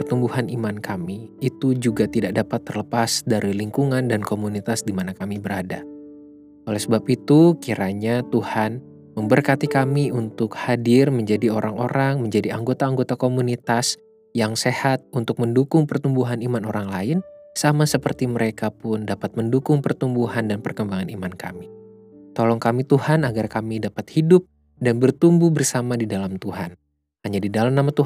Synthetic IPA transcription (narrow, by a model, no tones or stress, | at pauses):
pərt̪umbuhanimankʰamiːt̪ud͡ʒuɡat̪idak̚dapat̪ːərləpasdaɾiliŋkuŋandankomunit̪asdimanakamibəɾada | olɛhsəbapit̪ukiɾaɲat̪uhan | məmbərkat̪ikamiunt̪ʊkhadɪrməɲd͡ʒadioɾaŋo̰ɾʔaŋməɲd͡ʒadiaŋɡot̪aːŋɡot̪akomunit̪as | jaŋsehat̪̚unt̪ʊk̚məndukʊŋpərt̪umbuɦanimanoɾaŋlaɪnsamasəpərt̪iməɾekapʊndapat̪̚məndukʊŋpərt̪umbuɦandanpərkəmbaŋanimanka̰mi | t̪olɔŋkamit̪uhanaɡarkamidapat̪̚hidʊp̚ | danbərt̪umbuhbərsamadidalamt̪uɦan | haɲadidalamnamat̪u